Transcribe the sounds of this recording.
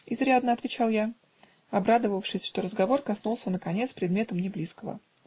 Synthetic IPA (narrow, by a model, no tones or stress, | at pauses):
ɪzɾʲad̪nəɐt̪vʲɪt͡ɕalˠja | ɐbɾad̪əvəfʂɨsʲʂt̪o̞ɾəzɡɐvo̞rkɐsnulˠsʲənəkɐnʲe̞t̪spɾʲɪd̪mʲe̞t̪əmnʲɪblʲiskəvə̰